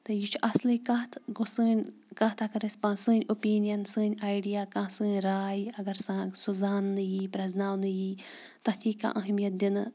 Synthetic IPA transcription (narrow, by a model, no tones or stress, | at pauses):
t̪ɨjit͡ʃʰʔɐslikɐt̪ɡusɨːnʲ | kɐɦt̪ʰakɐɾɐsʲpãːsɨːnʲopiːnijɐnsɨːnʲaːjɖijaːkãːsɨ̃ːnʲɾaːjiɐɡɐɾsãːsuzaːnːɨjiːpɾɐznaːwnɨjiː | t̪ɐt̪ʰiːkã̰ːʔɐɦmijɐt̪̚d̪inɨ